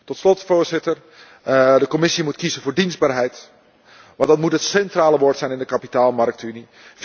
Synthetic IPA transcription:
tɔtslɔtfoːɹzɪtər | dəkomɪsimutkizəvoːɹdinzbaːrɦɛjt | ʋɑ̃ndɑtmutɦətsɛntraːləʋoːɹtsɛjnɪndəkapitaːlˠmɑrk̚tyni | f

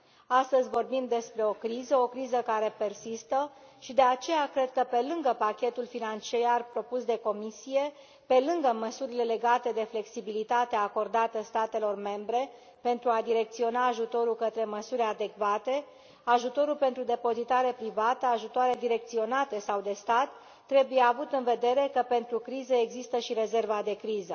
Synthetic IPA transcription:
ast̪əzʲvo̞rbimd̪e̞spɾe̞o̞kɾizəo̞kɾizəkaɾe̞pe̞rsist̪ə | ʃid̪e̞at͡ʃe̞jakɾe̞d̪̚kəpe̞lɨŋɡəpakʲe̞t̪ulfinant͡ʃejarpɾo̞pusd̪e̞ko̞misije̞ | pe̞lɨŋɡəməsuɾile̞le̞ɡat̪e̞d̪e̞fle̞ksibilit̪at̪eako̞rd̪at̪əst̪at̪e̞lo̞rme̞mbɾe̞ | pe̞nt̪ɾuad̪iɾe̞k̚t̪sio̞naːʒut̪o̞ɾulkət̪ɾe̞məsuɾʲad̪e̞kvat̪e̞ | aʒut̪o̞ɾulpe̞nt̪ɾud̪e̞po̞zit̪aɾe̞pɾivat̪əaʒut̪oaɾed̪iɾe̞kt̪sio̞nat̪e̞sawd̪e̞st̪at̪ː | ɾe̞buje̞avut̪ɨnve̞d̪e̞ɾe̞kəpe̞nt̪ɾukɾizəeɡzist̪əʃiɾe̞ze̞rvad̪e̞kɾizə

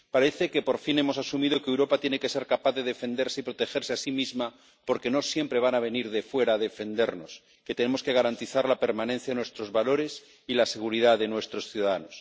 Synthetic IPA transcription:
paɾe̞θe̞ke̞po̞ɾfine̞mo̞sasumiðo̞kewɾo̞pat̪jeneke̞se̞ɾkapaθðe̞ðe̞fe̞nd̪e̞ɾse̞ipɾo̞t̪e̞xe̞ɾseasimizma | po̞ɾke̞no̞sje̞mpɾe̞β̞anaβ̞e̞niɾðe̞fwe̞ɾaːðe̞fe̞nd̪e̞ɾno̞s | ke̞t̪ene̞mo̞ske̞ɣaɾant̪iθaɾlape̞ɾmãnẽ̞n̟θjaðenwest̪ɾo̞zβalo̞ɾe̞s | ilase̞ɣ̞uɾiðaðe̞nwe̞st̪ɾo̞sθjuðaðano̞s

